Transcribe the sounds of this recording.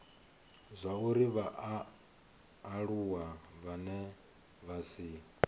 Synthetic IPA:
zʷauɾiβaʔ | ɺuwaβanɛ | βasi

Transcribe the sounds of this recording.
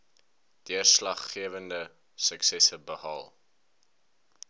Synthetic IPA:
d̥iərslɐχːiəvəndə | səksɛsəbəhɐlˠ

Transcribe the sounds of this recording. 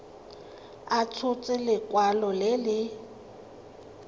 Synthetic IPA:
at͡sʰʊt͡sʼɪlɪkʼwalɔlɪlɪ

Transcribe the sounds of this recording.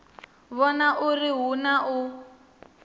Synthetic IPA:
βɔnaʔuriɦunaʔʊ

